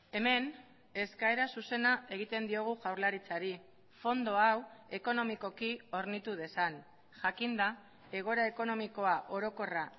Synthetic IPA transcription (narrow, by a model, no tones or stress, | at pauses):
e̞me̞n | e̞skae̞ɾasuse̞nae̞ɣ̞it̪e̞nd̪io̞ɣ̞uʝawɾlaɾit͡saɾi | fo̞nd̪o̞awe̞ko̞no̞miko̞kio̞ɾnit̪uð̞e̞san | ʝakind̪a | e̞ɣ̞o̞ɾae̞ko̞no̞miko̞aʔo̞ɾo̞ko̞ra